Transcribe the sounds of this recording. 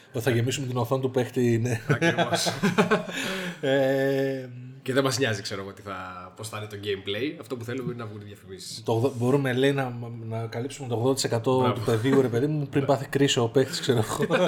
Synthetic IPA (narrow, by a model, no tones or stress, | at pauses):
θɐʝe̞misumet̪inoθont̪upe̞xt̪ine | e | ceðemɐzɲɐzikse̞ɾoɣoot̪i̥θɐposθɐnit̪oɟejmplejɐft̪o̞puθe̞lobo̞ɾinɐvɣunt̪iðjɐfimisi̥st̪oɣðobo̞ɾume̞leinɐnɐkɐlipsumet̪o̞ɣðoɐt̪isekɐt̪o̞t̪upe̞ðiuɾe̞pe̞ðimuupɾimbɐθikɾisoːpe̞xt̪i̥skse̞ɾoɣo